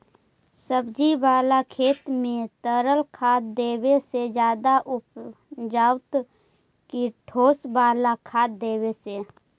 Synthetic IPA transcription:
səbd͡ʒibaːlakʰeːt̪mẽt̪əɾəlkʰaːd̪d̪eːwesed͡ʒjaːd̪aʔʊp | d͡ʒaːwt̪ | kiʈʰoːsbaːlakʰaːd̪̚d̪eːweseː

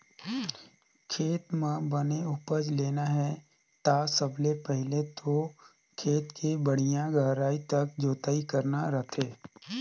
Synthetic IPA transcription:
kʰeːt̪mẽbəneʊpəd͡ʒleːnaɦɛ | t̪asəblepɛɦɪlet̪ʰo | kʰeːt̪kʰebəɽ̤̃ijãɡʱəɾaːit̪ɐk̚d͡ʒoːt̪aːikəɾnaɾɐt̪ʰeː

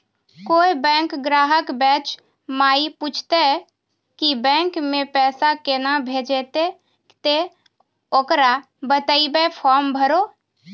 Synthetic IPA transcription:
koːibɛ̃ːŋkɡɾaːɦəkbɛːt͡ʃ | maːiput͡ʃʰt̪e | kibɛ̃ːŋkmẽpɛːsakenabʱeːd͡ʒet̪e | t̪e | oːkɾa | bət̪aibepʰɔːɾmbʱəɾoː

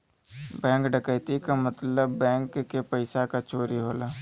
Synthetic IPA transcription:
bɛ̃ːŋkɖəkəjt̪ikamət̪ləbːɛ̃ːŋkːepəɪsakat͡ʃoːɾiɦoːlaː

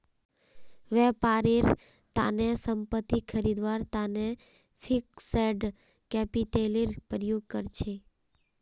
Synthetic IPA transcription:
ʋɛpaɾiɾ | t̪a̰nesəmpət̪ːikʰəɾid̪ʋaɾt̪ane | fʰikseɖ | kɛpiʈeliɾpɾəjoɡ̚kəɾt͡ʃʰe

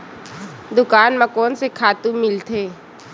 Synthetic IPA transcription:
d̪ʊkaːnmɐkɔːnsekʰaːt̪ũmɪlt̪ʰeː

